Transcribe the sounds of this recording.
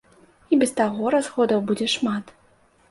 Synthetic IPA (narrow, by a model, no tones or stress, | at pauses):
ibʲɛst̪aɣɔɾazɣɔd̪ɐwbud͡zʲɛʂmat̪